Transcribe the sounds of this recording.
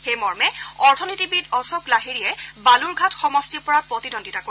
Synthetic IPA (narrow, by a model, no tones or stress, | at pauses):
xejmɔɹmɛɔɹtʰɔnitibidɔsoklaɦiɹijɛbaluɹɡʱatxɔmɔstipɔɹapɹɔtidondʱitako